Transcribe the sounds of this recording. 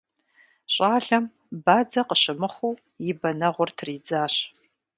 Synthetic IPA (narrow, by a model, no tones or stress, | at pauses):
ɕʼaːɮɐm | baːd͡zɐqəɕɪmɨχʷuː | jɪbɐnɐʁʷʊrtʰriːd͡zaːɕ